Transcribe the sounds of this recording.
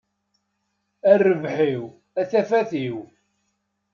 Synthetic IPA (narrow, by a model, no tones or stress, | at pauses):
ærːəvħiw | æθæfæθiw